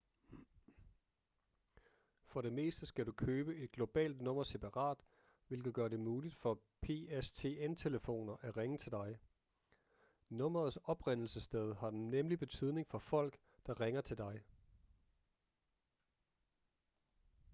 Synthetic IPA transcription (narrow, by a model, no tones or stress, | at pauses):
fɒ̽ɾe̝me̝̰ːsd̥əsɡ̥æɾukʰøːb̥əe̝d̥̚ɡ̥lo̝b̥ɛ̰ːld̥nɔ̽m̰ɐse̝pʰɑ̈ʁɑ̰̈ːd̥ | ʋe̝lɡ̥ð̩ˠɡ̥ɶɐɾe̝muːlid̥fɒ̽ | pʰe̝est͡sʰe̝ːent͡sʰe̝ləfo̝̰ːnɐʔæʁeŋət͡sʰe̝ld̥ɑ̈ɪ | nɔ̽m̰ɐð̞̩ˠsɒ̽b̥ʁen̰l̩səsd̥eð̞ˠhɑ̈d̥enːemlib̥e̝t͡sʰyð̞ˠne̝ŋfɒ̽fɒ̽l̰ɡ̥ | d̥ɑ̈ʁeŋɐt͡sʰe̝ld̥ɑ̈ɪ